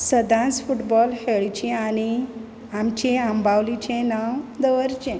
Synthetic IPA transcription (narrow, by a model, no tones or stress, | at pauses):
səd̪ʱãt͡sfuʈbɔlheɭt͡ɕẽaɽ̃i | amt͡ɕẽambawlit͡ɕẽnawd̪əʋəɾt͡ɕẽ